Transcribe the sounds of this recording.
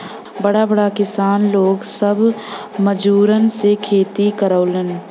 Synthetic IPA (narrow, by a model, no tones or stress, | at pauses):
bəɽabəɽakɪsaːnloːɡsəbʱ | məd͡ʒuːɾənsekʰeːt̪ikəɾəːlən